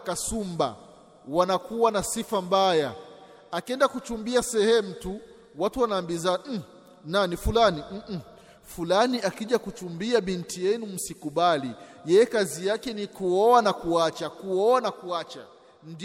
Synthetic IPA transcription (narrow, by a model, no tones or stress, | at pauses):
kasumba̰ | wanakuwanasifambaja̰ | akɛndakut͡ʃumbiasɛhɛm̩tu | watuwanaːmbiza | nanifulanim̩ʔ̩ | fulaniakiʄakut͡ʃumbiaɓintijɛnum̩sikuɓalijɛjɛkazijakɛnikuɔanakuat͡ʃakuɔanakuat͡ʃa̰ | nd